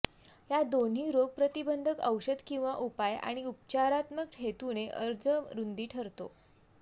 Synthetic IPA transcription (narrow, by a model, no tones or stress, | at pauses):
ɦjad̪on̤iːɾoɡ̚pɾət̪ibənd̪ʱəkəwɕəd̪kĩw̃ʋaʔupaja̰ɽ̃iup̚t͡ɕaɾat̪mək̚ʈʰet̪uneʔəɾd͡zəɾund̪iːʈʰəɾt̪o